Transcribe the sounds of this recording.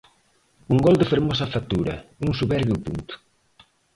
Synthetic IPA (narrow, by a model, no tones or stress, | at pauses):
uŋɡɔld̪ɪfeɾmɔsɐfat̪ːuɾɐ̰uŋsuβɛɾβjupunt̪ʊ̥